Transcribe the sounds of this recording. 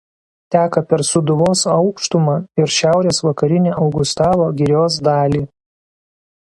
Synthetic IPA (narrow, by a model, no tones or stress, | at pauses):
t̪ʲæːkɐpʲɛɾsʊd̪ʊʋoːsɐʊkʃt̪ʊmɑːɪɾʃʲæˑʊɾʲeːsʋɐkɐɾʲɪnʲeːʔɒʊɡʊst̪ɑːʋˠoːɡʲɪɾʲoːsd̪ɑːlʲiː